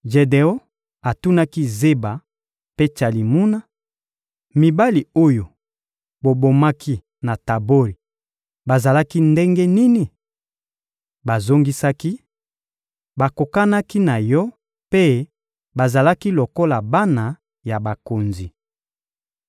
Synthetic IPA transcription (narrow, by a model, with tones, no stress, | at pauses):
ʒe˨de˨o˦ | a˨tu˦na˦ki˦ze˦ba˨ | pe˦t͡ʃa˨li˨mu˦na˦ | mi˨ba˦li˨o˦jo˨ | bo˨bo˨ma˦kʰi˦ | na˨ta˨bo˦ɾi˨ | ba˨za˨la˦ki˦nde˦ŋɡe˦ni˦ni˨ | ba˨zo˦ŋɡi˦sa˦ki˦ | ba˨ko˨ka˦na˦ki˦na˨jɔ˦ | pe˦ | ba˨za˨la˦ki˦lo˨ko˦la˨ba˦na˨ | ja˨ba˨ko˨nzi˨